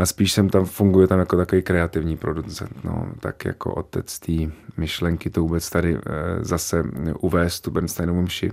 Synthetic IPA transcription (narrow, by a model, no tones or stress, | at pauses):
ʔaspiːʃsɛmt̪amfuŋɡujɛt̪amjakot̪akoviːkɾɛat̪ɪvɲiːpɾo̞dut͡sɛ̰nt̪no̰t̪a̰kja̰ko̰ʔo̰t̪ɛt͡st̪iːmɪʃlɛŋkɪt̪ovuːbɛt͡st̪adɪ̰zasɛʔuvɛːst̪ːubɛnst̪ajnɛmumʃɪ̰